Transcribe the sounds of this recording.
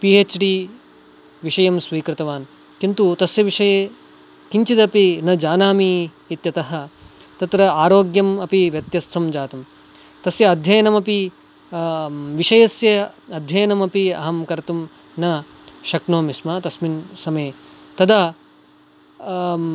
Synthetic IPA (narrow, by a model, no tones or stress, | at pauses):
piːeːt͡ʃɖiː | ʋiʂɐjɐmsʋiːkɾɪt̪ɐʋaːn | kint̪ut̪ɐsjɐʋiʂɐjeː | kiɲt͡ʃid̪ɐpinɐd͡ʒaːnaːmi | it̪jɐt̪ɐɦɐ̆ | t̪ɐt̪ɾɐaːɾoːɡjɐmɐpiʋjɐt̪jɐst̪ʰːɐmd͡ʒaːt̪ɐm | t̪ɐsjɐɐd̪ʱjɐjɐnɐmɐpi | ʋiʂɐjɐsjɐɐd̪ʱjɐjɐnɐmɐpiɐ̰ɦɐmkɐɾt̪um | nɐ | ʃɐknoːmismɐt̪ɐsminsɐmeːt̪ɐd̪ɐ